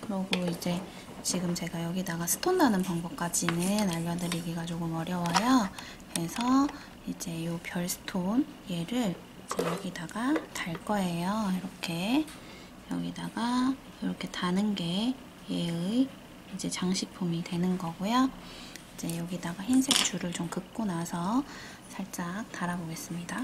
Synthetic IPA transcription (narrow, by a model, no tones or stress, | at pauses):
kɯɾʌɡoid͡ʑe̞ | t͡ɕiɡɯmt͡ɕe̞ɡajʌɡidaɡasʰɯ̥tʰondanɯnpaŋbʌp̚k͈ad͡ʑinɯnaʎːʌdɯɾiɡiɡad͡ʑoɡɯmʌɾjʌwajo | kɯɾe̞sʰʌ | id͡ʑe̞jopjʌɭsʰɯ̥tʰonje̞ɾɯɭ | id͡ʑe̞jʌɡidaɡataɭk͈ʌe̞joiɾʌkʰe̞ | jʌ̰ɡidaɡa | jiɾʌkʰe̞tanɯnɡe̞ | jeɯi | id͡ʑe̞t͡ɕaŋɕʰik̚pʰumidwe̞nɯnɡʌɡujo | id͡ʑe̞jʌɡidaɡaçinsʰe̞k̚t͡ɕ͈uɾɯɭt͡ɕomkɯp̚k͈onasʰʌ | sʰaɭt͡ɕ͈ak̚taɾaboɡe̞s͈ɯmɲida